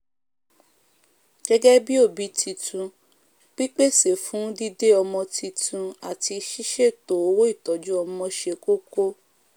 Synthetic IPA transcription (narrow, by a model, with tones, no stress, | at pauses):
ɡ̥ɛ˦ɡɛ˦bi˦o˦˨bi˨˦tʰi˧tʰũ˧ | k͡pi˦k͡pe˦se˨fũ˨˦di˦de˦ɔ˧mɔ̃˧ti˧tʰũ˧a˨ti˧ʃi˦ʃe˦˨to˨o˨˦wo˦i˦˨tɔ˨˦d͡ʒu˦ɔ˧mɔ̃˧ʃe˧ko˦ko˦